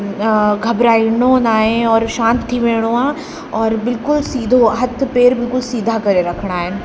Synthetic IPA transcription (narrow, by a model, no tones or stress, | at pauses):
ɡʱɐbɾaːiɽ̃õnaːɦẽɔːɾʃãːnt̪t̪ʰːiʋeːɽ̃oãː | ɔːɾbɪlkʊlsiːd̪ʱoɦɐt̪ʰpeːɾbɪlkʊlsiːd̪ʱakɐɾeɾɐkʰɽ̃aːɦɪnɪ̆